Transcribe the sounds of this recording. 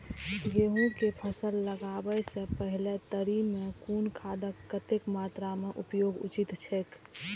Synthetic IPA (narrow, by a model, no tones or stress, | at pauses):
jeːɦũkepʰəsəlːəɡaːwəjsepəɦlet̪əɾimẽkuːnkʰaːd̪əkːət̪ɪkmaːt̪ɾamẽʔʊpjoːɡʊ̰t͡ʃɪt̪t͡ʃʰeːk